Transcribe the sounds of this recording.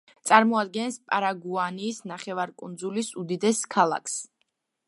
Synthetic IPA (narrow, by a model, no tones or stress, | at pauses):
t̪sʼaɾmɔad̪ɡɛnspʼaɾaɡuaniːsnaχɛvaɾkʼund̪zulisud̪id̪ɛskʰalˠa̰kʰs